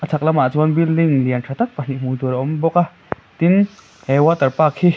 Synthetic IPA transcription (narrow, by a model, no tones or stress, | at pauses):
at͡sʰaklamat͡swanbilːiŋliantʰat̪ak̚pan̥iʔmut̪uɾomboka | t̪in | ɛwat̪aɾpakʰi